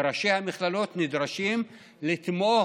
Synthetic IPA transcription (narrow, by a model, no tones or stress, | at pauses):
ɾaʃejhamiχlalot̪nid̪ɾaʃim | lit̪mo